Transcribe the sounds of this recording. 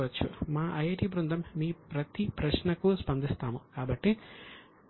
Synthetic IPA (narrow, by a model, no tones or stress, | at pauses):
ʋɐt͡ʃːṵmaːʔɐjɐʈibɾund̪ʱɐmːiːpɾɐt̪ipɾɐʃnɐkuspɐnd̪ist̪aːmukaːbɐʈːi